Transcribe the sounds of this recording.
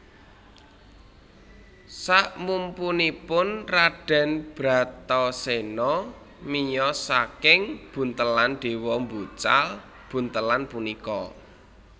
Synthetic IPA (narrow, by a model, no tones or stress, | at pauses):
saʔmumpunipʊnraɖ̥a̤nb̥ɾa̤t̪ɔsenɔ | mijɔsakɪŋb̥ṳnt̪əlanɖ̪̥e̤wɔmbut͡ʃa̰l | b̥ṳnt̪əlanpunikɔ